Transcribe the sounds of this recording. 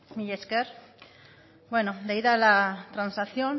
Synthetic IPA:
miʎeskeɾ | bwenod̪eiðalat̪ɾansaθjon

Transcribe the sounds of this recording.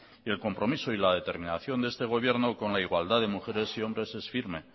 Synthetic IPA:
ie̞lko̞mpɾo̞miso̞ilaðe̞t̪e̞ɾmĩnaθjo̞nd̪ee̞st̪eɣ̞o̞β̞je̞ɾno̞ko̞nlaiɣwald̪aðe̞muxe̞ɾe̞sio̞mbɾe̞se̞sfiɾme̞

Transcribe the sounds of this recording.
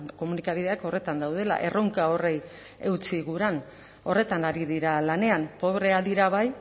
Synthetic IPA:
ko̞munikaβ̞ið̞e̞ako̞re̞t̪and̪awð̞e̞la̰ʔe̞rʔo̞ŋkao̞re̞j | e̞wt͡siɣuɾan | o̞re̞t̪anaɾiðiɾalane̞ampo̞βɾe̞aðiɾaβ̞aj

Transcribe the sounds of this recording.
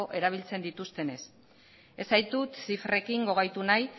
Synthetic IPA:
oʔe̞ɾaβ̞ilt͡se̞nd̪it̪ust̪e̞ne̞s | e̞sajt̪ut̪sifre̞kiŋɡo̞ɣajt̪unaj

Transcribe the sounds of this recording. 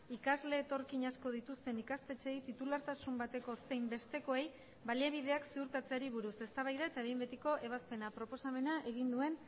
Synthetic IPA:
ikazle̞ːt̪o̞ɾkiɲasko̞ð̞it̪ust̪e̞nikast̪e̞t͡se̞jt̪it̪ulaɾt̪asumbat̪e̞ko̞se̞jmbe̞st̪e̞ko̞e̞j | baliaβið̞e̞aksiuɾt̪at͡se̞aɾiβ̞uɾuse̞st̪aβ̞ajðaet̪aeɣimbet̪iko̞ʔe̞β̞aspe̞napɾo̞po̞same̞naʔe̞ɣind̪ue̞n

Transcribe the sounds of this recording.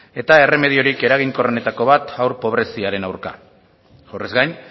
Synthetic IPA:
e̞t̪ae̞re̞me̞ð̞io̞ɾike̞ɾaɣ̞iŋko̞rene̞t̪ako̞βat̪awɾpo̞β̞ɾe̞siaɾe̞nawɾka̰ | ʝorezɡajn

